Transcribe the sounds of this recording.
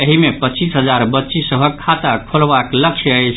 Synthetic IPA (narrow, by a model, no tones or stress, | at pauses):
eɦimepətːt͡ʃisɦəd͡ʒaɾbətːʃisəbʱəkkʰːat̪akʰolbakləkt͡ʃʰəət͡ʃʰ